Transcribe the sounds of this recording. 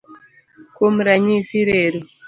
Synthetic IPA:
kom̩ɾaɲisiɾeɾu

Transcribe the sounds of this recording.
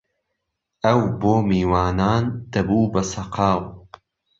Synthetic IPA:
ʔɐwboːmiːwaːnaːnd̪̥ɐbuːbɐsɐqʰɑːw

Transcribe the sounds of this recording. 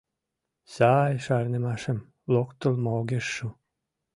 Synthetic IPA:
sajʃɑrnemɑʃem | lokt̪ə̆lmoɡʲeʃːu

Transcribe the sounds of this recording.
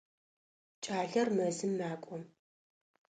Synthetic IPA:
t͡ʃʼaːɮɐrmɐzɨmːaːkʷʼɔm

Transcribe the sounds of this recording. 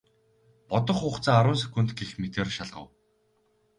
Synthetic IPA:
pɔt̪ɞ̆χʊːχt͡saːaɾʊːns̬ɵ̥kʲŭnt̪ɡixmet̪eːrʃaɮʁə̰̆w

